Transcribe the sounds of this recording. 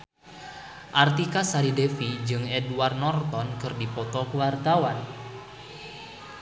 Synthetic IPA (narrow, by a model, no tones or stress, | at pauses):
ʔart̪ikasaɾidefid͡ʒɨŋɛduwarnɔrt̪ɔnkɨrdipɔt̪ɔkuwart̪awan